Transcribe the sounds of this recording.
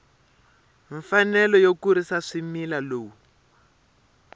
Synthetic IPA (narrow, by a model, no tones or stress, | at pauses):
ɱfanɛlɔjokuɾisaʂimilaloːwu